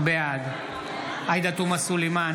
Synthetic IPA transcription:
bead̪ | ajd̪at̪umasulima

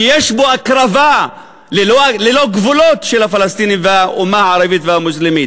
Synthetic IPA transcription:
jaʃbuʔakɾˤɑva | lɪlolɪloɡvʊloːt̪ʃɪlafalast̪iːnivaʔʊmaʕɑɾˤɑbiːt̪vaamʊslɪmiːt̪

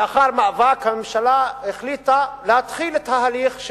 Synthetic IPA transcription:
aχaʁmaavakhamemʃalaheχlit̪alehat̪χilet̪aɦaliχʃ

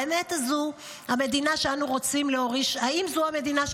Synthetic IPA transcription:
emetazu | hame̞dinaʃeanuʁo̞t͡simleoʁiʃaimzuame̞d̪inaʃ

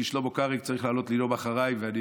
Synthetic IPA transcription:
iʃlobokaʁik̚t͡saʁiχlaːlot̪lilobaχaʁajveani

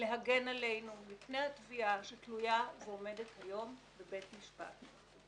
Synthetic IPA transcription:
le̞ɦaɡe̞nale̞jnumipne̞jhat̪viaʃetlujaveome̞dethajo̞m | bebe̞tmiʃpa̰t

